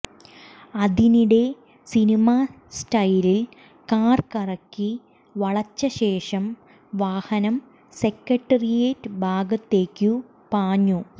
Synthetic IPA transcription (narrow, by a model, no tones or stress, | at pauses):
ɐðiniɽe̞ | sinima | sʈɐjlil | kaːrkɐrɐkːi | ʋɐɭɐt͡ɕːɐɕe̞ːʂɐm | ʋaːhɐnɐm | se̞kːɐʈːɐrijeːtːɨbʱaːɡɐt̪ːe̞ːkʲːu | paːɲːu